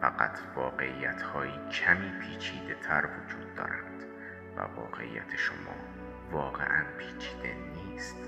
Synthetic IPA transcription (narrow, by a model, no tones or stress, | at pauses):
fæɢæt̪ʰvɒːɢe̞ʔijæt̪ʰhɒːjiːcʰæmiːpʰiːt͡ʃʰiːd̪e̞t̪ʰæɾvod͡ʒuːd̪̚ːɒːɾænd̪̥ | væ̰vɒ̰ːɢe̞̰ʔḭjːæ̰t̪ʰeʃomɒː | vɒːɣḛʔænpʰiːt͡ʃʰiːd̪e̞niːst̪